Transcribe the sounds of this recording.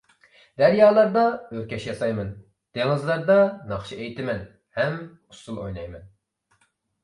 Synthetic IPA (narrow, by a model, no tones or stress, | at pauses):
d̪̥ɛɾjɑːlˠɑɾd̪ɑøɾkʲɛʃjɑsɑjmɨn | d̪̥eŋɨzlˠɑɾd̪ɑnɑχʃiejt̪ʰɪmɛn | hɛm | usulˠojnɑjmɛn